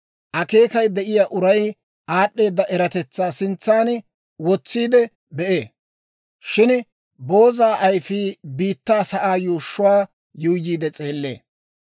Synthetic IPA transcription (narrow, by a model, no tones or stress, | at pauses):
ʔɐke̞ːkɐjd̪ɛʔɪjaʔʊɾɐj | ʔaːɗːe̞ːd̪ːɐʔɛɾɐt̪ɛt͡sːaːsɪnt͡sːaːn | wɔt͡sːiːd̪ɛ | bɛʔeː | ʃɪn | bo̞ːzaːʔɐjfiːbiːt̪ːaːsɐʔaːjuːʃːʊwaː | jʊjjiːd̪ɛt͡sʼeːlːe̞̰ː